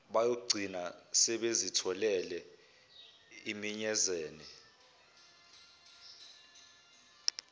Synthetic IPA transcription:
ɓajoɡ͡ǀʱinasɛɓezitʰɔlɛlɛ | imiɲɛzeːni

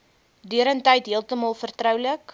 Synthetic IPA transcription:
dyəɾəntɛjtɦiəlˠtəmɑlˠfərtrœwlək

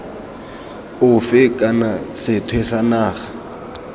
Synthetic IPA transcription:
ʊfɪkʼanasɪtʰwesanaːχa

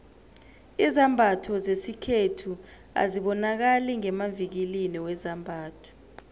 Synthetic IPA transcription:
izambʱatʰɔzesikʰetʰu | a̰ziɓɔnak̬aliŋɛmavik̬iliniwɛzambʱaːtʰɔ̥

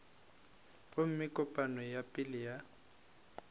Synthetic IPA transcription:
ʊm̩mɪkʼʊpʼanɔjapʼɪlija

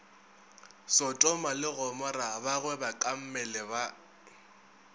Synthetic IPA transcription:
sɔtʼɔmalɪɣɔmɔrabaɣwɛbakʼam̩mɛlɛba

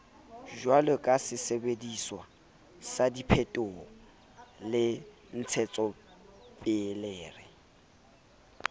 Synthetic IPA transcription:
ʒwalɔkʼasɪsebediswa̰ | sadipʰɛtʼʊɔ | lɪ | n̩t͡sʰɛt͡sʼɔ | pʼɪlɛːrɪ

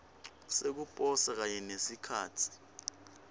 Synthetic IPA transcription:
sek̬upʼɔsak̬aɲɛnesikʰaːtʰi̥

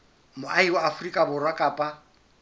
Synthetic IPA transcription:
mʊʔaiwaːfʊrikʼabʊrwakʼaːpʼa

